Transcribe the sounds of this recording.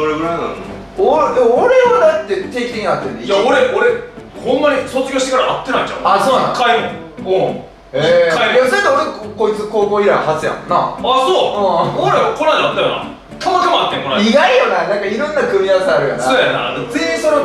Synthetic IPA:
soɾeɡɯɾana̰o | od̪emoːɾe̞ad̪at̪ːe̞t̪e̞ːkʲi̥t̪ĩŋiat̪ːeeijaoɾeʔoɾehõnːaɲisot͡sɨɡʲoːɕi̥t̪ekaɾaat̪ːe̞nãit͡ɕã̰asoːnã̰kʰaimõ | õ | ekʰaid̪emsak̪ːaoɾekkoit͡sɨko̞ːkoːiɾahat͡sɨjã̰nnːaasoɯ̃ːoɾakʰonad̪at̪ːajona̰ | t̪ʰamakamoat̪ːẽkonaiɡaijonanãŋkaiɾõnːakɯ̟mʲiaβasaaɾɯ̟jo̰nasojana̰t͡sɨĩsono

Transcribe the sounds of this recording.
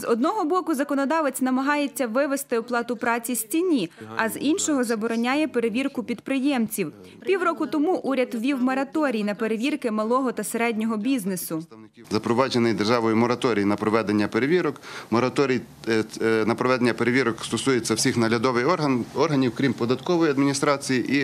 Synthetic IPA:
zɔd̪nɔɦɔbɔkʊzɐkɔnɔd̪ɑʋet͡sʲnɐmɐɦɑjet͡sʲːɐʋɪʋest̪ɪɔplˠɑt̪ʊpɾɑt͡sʲisʲtʲinʲiɐzinʲʃɔɦɔzɐbɔɾɔnʲajɛpe̞ɾeʋʲirkʊpʲid̪pɾɪjɛmt͡sʲiw | pʲiwrɔkʊt̪ɔmuʔuɾʲɐd̪ʋʲiwmɔɾɐt̪ɔɾʲijnɐpeɾeʋʲirkɪmɐlˠɔɦɔt̪ɐseɾɛdʲnʲɔɦɔbʲiznesʊ | zɐpɾɔʋɑd͡ʒenɪjd̪erʒɑʋɔjʊmɔɾɐt̪ɔɾʲijinɐpɾɔʋɛd̪enʲːɐpeɾeʋʲiɾɔkmɔɾɐt̪ɔɾʲij | nɐpɾɔʋɛd̪enʲːɐpeɾeʋʲiɾɔkst̪ɔsujet͡sʲːɐwsʲixnɐɾʲɐd̪ɔʋɪjɔrɦɐnʲiwkɾʲimpɔd̪ɐt̪kɔʋɔjiɐd̪mʲinʲist̪ɾɑt͡sʲijiʔi

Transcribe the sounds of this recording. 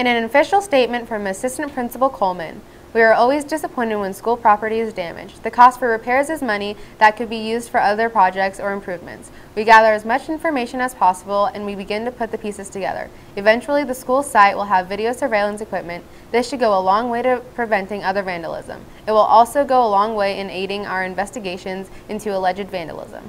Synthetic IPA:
ɨ̃ɾ̃ɨ̃ñɨfɪʃl̩ˠsteɪt̚mɨ̃ntfɹʌ̃mɨsɪstɨ̃n̩pʰɹ̥ɪ̃nsəpl̩ˠkʰoʊlˠmɨ̰̃n | wiə˞ɔlˠwizdɨsəpʰɔ̃ɪ̃ñɨd̚wə̃nskulˠpʰɹ̥ɑpə˞ɾiɨzdæ̃mɨ̰̥d͡ʒðɨkʰɔstfə˞ɹɨpʰɛɹzɨzmʌñiðɨt̚kɨd̚bijʉzd̥fə˞ʌðə˞pʰɹ̥ɑd͡ʒɛk̚tsə˞ɨ̃mpʰɹ̥ʉvmɨ̰̃nts | wiɡæðə˞ɨzmʌt͡ʃɪ̃ɱfə˞meɪʃɨ̃nəz̥pʰɑsəbl̩ˠɨ̰̃nwibɨɡɪ̃ntɨpʰʊt̪̚ðɨpʰisɨz̥tʰɨɡɛ̰ðə̰˞ | ɨvɛ̃nt͡ʃul̩ˠiðɨskulˠsaɪʔ̚wəlˠəvɪɾioʊsə˞veɪlˠə̃nsɨkʰw̥ɪp̚mɨ̃n | ðɪsʃɨd̚ɡoʊəlɔ̃ŋweɪɾɨpʰɹ̥ɨvɛ̃ntɪ̃ŋʌðə˞væ̃ndəlˠɪ̰zə̰̃m | ɨt̚wəlˠʔɔlˠsoʊɡoʊəlɔ̃ŋweɪʔɨ̃neɪɾɪ̃ŋa̰ʊə˞ɨ̃ɱvɛstɨɡeɪʃɨ̃nzʔɪ̃ntʰʉəlɛd͡ʒɨdvæ̃ndə̰l̩ˠɪ̰zə̰̃m

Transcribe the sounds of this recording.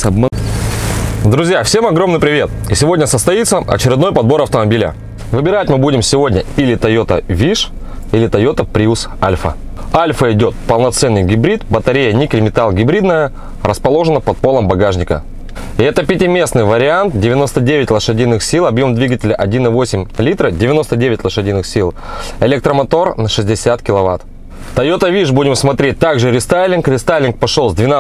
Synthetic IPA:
ɐm | d̪ɾʊzʲjafsʲe̞mɐɡɾo̞mnɨjpɾʲɪvʲe̞t̪isʲɪvo̞dʲnʲəsəst̪ɐit̪səɐ̰t͡ɕɪɾʲɪd̪no̞jpɐd̪̚bo̞ɾɐft̪əmɐbʲilʲɪ̰ | vɨbʲɪɾatʲmɨbudʲɪmsʲɪvo̞dʲnʲəɪlʲɪt̪ɐjo̞t̪ə̰vʲiʂ | ɪlʲɪt̪ɐjo̞t̪əpɾʲiusa̰lʲfə̰ | alʲfəɪdʲo̞t̪̚pəlˠnɐt̪sɛnːɨjɡʲɪbɾʲit̪bət̪ɐɾʲejənʲiklʲɪmʲɪt̪alˠɡʲɪbɾʲid̪nəjə | rəspɐlˠo̞ʐɨnəpɐt̪̚po̞lˠəmbɐɡaʐnʲɪkə̰ | ɛt̪əpʲɪtʲɪmʲe̞snɨjvəɾʲɪant̪̚dʲɪvʲɪno̞st̪ədʲevʲɪtʲlˠəʂɨdʲijnɨxsʲilˠɐbjo̞md̪vʲiɡətʲɪlʲɪʔɐdʲinɨvo̞sʲɪmʲlʲit̪ɾədʲɪvʲɪno̞st̪ədʲevʲɪtʲlˠəʂɨdʲijnɨxsʲilˠɪlʲɛk̚t̪ɾəmɐt̪o̞rnɐʂɨzʲdʲɪsʲat̪kʲɪlˠɐva̰t̪ | t̪ɐjot̪əvʲiʐbudʲɪmsmɐt̪ɾʲet̚ʲt̪aɡʐɨɾʲɪst̪ajlʲɪnkɾʲɪst̪ajlʲɪnk̚pɐʂolˠzʲd̪vʲɪna

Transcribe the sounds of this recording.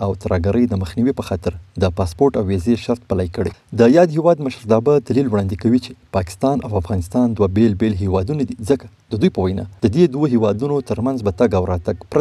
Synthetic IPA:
awt̪ɾɑɡaɾʔəjd̪əməxniwipəxɑt̪ɪɾd̪əpɑspoɾʈawːezeʃaɾt̪̚palɑjkəɽḛd̪əjɑd̪hewɑd̪məʃɾd̪ɑbad̪alilwɽɑnd̪ikawit͡ʃe̥pɑkɪ̥st̪ɑna̰wafɣɑnɪst̪ɑnd̪wabelbelɦewɑd̪unad̪izəkḁ | d̪̥əd̪ujpəwajnɑ̰d̪̥əd̪ed̪woɦewɑd̪unot̪əɾmanzbat̪aɡawɾɑt̪aɡpɾa

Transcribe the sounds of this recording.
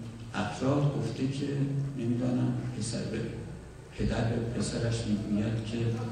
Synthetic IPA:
ʔæfɾɒːd̪ɡoft̪ʰe̞cʰenemiːd̪ɒːnæmpʰesæ̰ɾbe | pʰe̞d̪æɾbepʰe̞sæɾæʃmiːɡuːjæd̪̥cʰe̞

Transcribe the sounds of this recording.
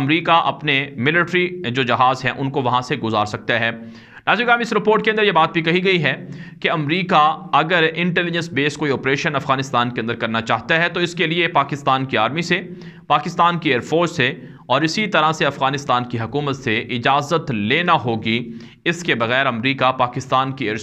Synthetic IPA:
ɐmɾiːkaʔɐ̰pnemɪlɪʈɾid͡ʒoːd͡ʒɐɦaːzɦɛ̰̃ʔʊnkoʋɐɦãseɡʊzaːɾsɐk̚t̪aɦɛː | naːziɡaːmɪsɾɪpoːɾʈkẽɐnd̪ɾjebaːt̪̚bʱikɐɦiɡɐiɦɛkeɐmɾiːkaɐɡəɾɪ̃ɳʈɛːlɪd͡ʒə̃nsbeːskoːiɔːpɾeːʃənɐfɣaːnɪst̪aːnkeɐnd̪əɾkɐɾnat͡ʃaːɦt̪aɦɛt̪oɪskeliepaːkɪst̪aːnkiaːɾmise | paːkɪst̪aːnkieːɾfoːɾse | ɔːɾɪsit̪ɐɾaseɐfɣaːnɪst̪aːnkiɦɐkuːmət̪seʔɪd͡ʒaːzət̪leːnaɦoːɡi | ɪskebɐɣɛːɾɐmɾiːkapaːkɪst̪aːnkieːɾ

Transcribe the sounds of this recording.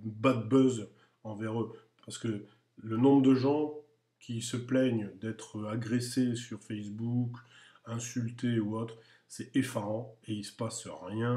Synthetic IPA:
bat̪̚bœz | ɑ̃vɛʁø | paʁsə̥kə | lənɔ̃bʁəd̪əʒɑ̃ | kʲʰisəplɛɲd̪ɛt̪χaɡʁesesyʁfɛsbuk | ɛ̃sylt̪euot̪χ | sɛefaʁɑ̃eilsə̥pasʁjɛ̃

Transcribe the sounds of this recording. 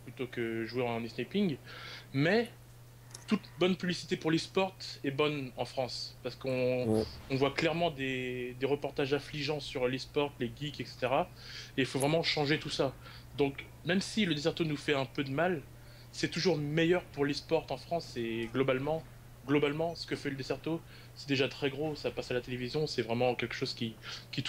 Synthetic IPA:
plyt̪okəʒweɑ̃nisnapiŋɡmɛ | t̪ut̪bɔnpyblisi̥t̪epuʁlespɔʁt̪ɛbɔnɑ̃fχɑ̃spaʁsə̥kɔ̃ɔ̃vwaklɛʁmɑ̃d̪ed̪eʁəpɔʁt̪aʒɛ̃fliʒɑ̃syʁlespɔʁt̪leɡʲikɛkse̥t̪eʁa | eilfovʁɛmɑ̃ʃɑ̃ʒet̪usa | d̪ɔ̃k | mɛmsiləd̪esɛʁt̪onufɛɛ̃pød̪əmal | sɛt̪uʒuʁmejœʁpuʁlespɔʁt̪ɑ̃fχɑ̃seɡlɔbalmɑ̃ | ɡlɔbalmɑ̃sə̥kəfɛləd̪esɛʁt̪o | sɛd̪eʒat̪χɛɡʁosapasalat̪elevizjɔ̃sɛvʁɛmɑ̃kʲɛlkə̥ʃoz̥kʲikʲit̪

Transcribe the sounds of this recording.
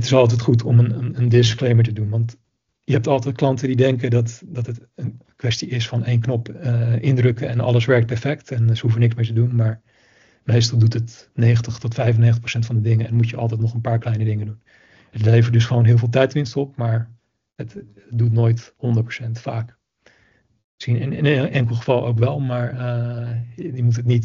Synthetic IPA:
ətɪsɑlˠt̬ɛjtχutʰɔmənənəndɪsklejməɹtədunʋɑnt | jəɦɛp̚tɑlˠtɛt̚klɑntəndidɛŋkədɑtdɑtətənkʋɛstiɪsfɑnejnknɔpɪndrɵkəɛnɑ̰lˠəsʋɛɹk̚t̚pɛɹfɛktɛnsəɦufənɪksmɪːɹtədunmaːɹ | mejstɑlˠdutət | nejxəntəχtɔtfɛjfənːeːxətə̥prosɛntfɑ̃ndədɪŋəɛnnmutjəʔɑ̰lˠtɛjtnɔχənpaːɹklɛjnədɪŋədun | ətlejfədɵsχəʋownɦɪːlˠvɪːlˠt̬ɛjtʋɪnstɔpmaːɹ | ət | dutnoːjthɔndəɹtpro̥sɛntfaːk | msχinɪnɪnɛŋkəlˠχəvɑlˠʔo̰wkʋɛlˠmaːɹ | jəmutɦətnit

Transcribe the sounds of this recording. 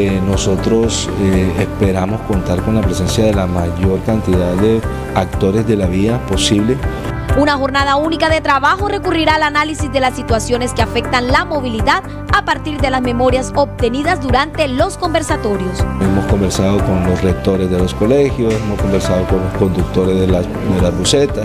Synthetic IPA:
eno̞so̞t̪ɾo̞s | espe̞ɾamo̞sko̞nt̪aɾko̞nlapɾese̞nsjaðe̞lamaʝo̞ɾkant̪iðaððe̞ | ak̚t̪o̞ɾe̞zðe̞laβiðapo̞siβle̞ | unaxo̞ɾnað̞aunikaðe̞t̪ɾaβaxo̞re̞kuriɾaːlanalisizd̪e̞lasːit̪wasjo̞ne̞skeafe̞k̚t̪anlamo̞β̞iliðað | apaɾt̪iɾd̪e̞lazme̞mo̞ɾjaso̞p̚t̪e̞niðazd̪uɾant̪e̞lo̞sko̞mbe̞ɾsat̪o̞ɾjo̞semo̞sko̞mbe̞ɾsaðo̞ko̞nlo̞sle̞k̚t̪o̞ɾe̞zðe̞losko̞lexjo̞semosko̞mbe̞ɾsaðoko̞nlo̞sko̞nd̪uk̚t̪o̞ɾezðe | d̪elazβuse̞t̪a

